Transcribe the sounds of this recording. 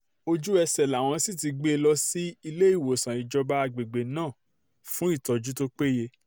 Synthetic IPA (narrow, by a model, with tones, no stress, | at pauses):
o˧d͡ʒu˦ɛ˧sɛ˨la˨w̃ɔ̃˧si˦˨t̬i˧ɡ͡be˦e˧lɔ˦si˦i˧le˦i˦˨wo˨sã˨i˨d͡ʒɔ˧ba˦a˧ɡ͡be˨ɡ͡be˨nãː˦˨ | fũ˦i˦˨tɔ˨d͡ʒu˦to˦k͡pe˦je˧